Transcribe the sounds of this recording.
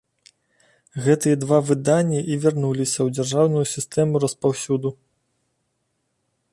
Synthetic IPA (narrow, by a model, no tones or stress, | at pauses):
ɣɛt̪ɨjɐd̪vavɨd̪anʲːiʔivʲarnulʲisʲɐwd͡zʲarʐawnujusʲist̪ɛmuɾɐspawsʲud̪u